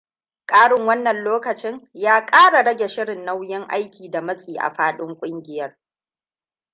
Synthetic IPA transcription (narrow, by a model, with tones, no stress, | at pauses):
kʼaː˦ɽɪ˨ŋwɐ˦nːɐ˨nloː˦kɐ˨t͡ʃɪ˦ŋjaː˦kʼaː˦ɽa˨ɽɐ˦ɡʲe˨ʃɪ˦ɽɪ˨nːa˦wjɪ˦ŋʔa̰˦jkʲiː˨da˨mɐ˦sʼiː˨ʔa̰˨ɸaː˦ɗɪ˦ŋkʷʼʊ˦ŋɡʲɪ˨jɐ˦r